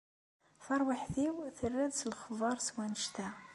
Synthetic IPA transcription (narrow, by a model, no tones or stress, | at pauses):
fɑɾˤwaħθiwθərːæðsəlχvɑɾˤswænəʃt̪æ